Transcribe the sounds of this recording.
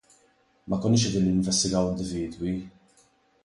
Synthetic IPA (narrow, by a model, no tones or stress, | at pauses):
mʔɐkɔnːɪːʃ̬ɛd̪iːnliɪɱvɛst̪ɪɡɐwɪnd̪ɪviːd̪wi